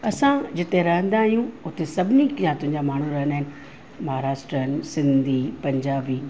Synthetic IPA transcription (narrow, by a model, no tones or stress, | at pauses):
ɐsãd͡ʑɪt̪eɾɐɦə̃nd̪aːɦijũʊt̪esɐbʱɪnikjãt̪ʊ̃ɦɪ̃ɲd͡ʑamaːɳ̤ũɾɐɦənaːɦɪnɪ̆ | mɐɦaːɾaːʃʈɾənsɪ̃nd̪ʱipɐ̃ɲd͡ʑaːʋiː